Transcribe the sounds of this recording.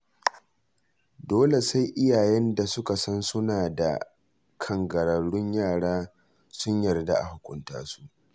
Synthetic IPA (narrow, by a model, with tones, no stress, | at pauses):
doː˦le˨sa˦jʔɪ˦jaː˨jɛ˦nda˨sʊ˦ka˨sɐ˦nsʊ˦naː˨da̰˨ | kʰɐ˦ŋɡɐ˨ɾɐ˨ɽːʊ˦ɲjaː˦˨ɽaː˦ | sʊ˦ɲjɐ˨rda̰˦ʔa̰˨hʊ˨kʷʊ˦nta̰ː˦su̥˦ʔ